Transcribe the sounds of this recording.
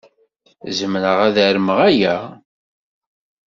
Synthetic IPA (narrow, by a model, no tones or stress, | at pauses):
zəmnəʁæðæɾəməʁæjæ